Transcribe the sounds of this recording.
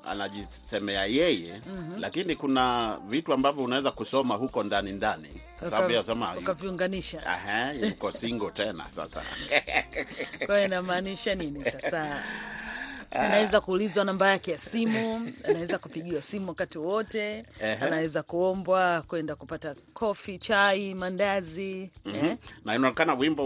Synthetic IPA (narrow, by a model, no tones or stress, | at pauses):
a̰naʄi | sɛmɛajɛjɛm̩lakinikunavituambavjɔunawɛzakusɔmaɦukɔndanindanḭ | kasapiasɛmaukaviuŋɡaniʃaɛ̰hɛukɔsiŋɡɔtɛna̰sa̰sa̰ | kwajɔinamaːniʃaninisasa | anawɛzakuːlizwanambajakɛjasimuanawɛzakupiɠiwasimuwakatiwɔtɛɛanawɛzakuɔmbwakwɛndakupata | kʰɔfit͡ʃaimandaziɛnainaɔnɛkanawimbɔ